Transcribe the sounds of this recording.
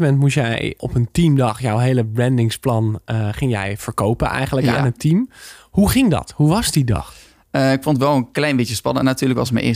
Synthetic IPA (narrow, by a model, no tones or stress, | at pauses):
mɛntmusjɛ̰jɔpəntimdɑχjɔwɦejləbrɛndɪŋsplɑnχɪŋjɛ̰jv̥əɹkowpənʔɛ̰jχənləka̰nətimɦuχɪŋdɑ̰tɦuʋɑzdidɑ̰χ | əɪkfɔntʋɛlˠənklɛjnbɪjəspɑnənatyːləkʋɑ̰səmə̰nʔɪ̰